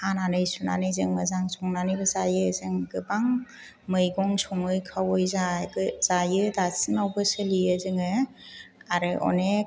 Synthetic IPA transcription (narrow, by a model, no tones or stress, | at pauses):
ananɯjsuna̰nɯjzɯŋmɯzaŋsɔŋnanɯjbɯzajɯzɯŋɡɯbaŋ | mɯjɡɔŋsɔŋɯjkʰawɔjzaɡɯz̥ajɯdasinawbɯsɯliɯzɯŋɯ | aɾɯɔ̰ne